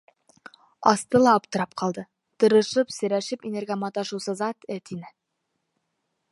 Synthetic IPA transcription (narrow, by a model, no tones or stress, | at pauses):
ɑst̪ɤ̆lˠɑpt̪ɤ̆ɾɑp̚qʰɑlˠd̪ɤ | t̪ɤ̆ɾɤ̆ʃɤpsɵ̆ɾæʃɘpinɘ̆ɾɡæmɑt̪ɑʃŭwsɤzɑt̪ɘt̪inɘ